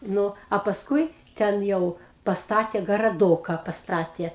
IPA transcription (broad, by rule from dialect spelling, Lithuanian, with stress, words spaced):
ˈnʊ ɐ pɐsˈkʊɪ ˈtʲɛn ˈjɛʊ pɐsˈtɑːtʲeː ɡɐrɐˈdoːkɐ pɐsˈtɑːtʲeː